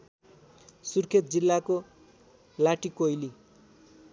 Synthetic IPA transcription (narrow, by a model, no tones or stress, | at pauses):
surkʰet̪̚d͡zilːako | laʈikojli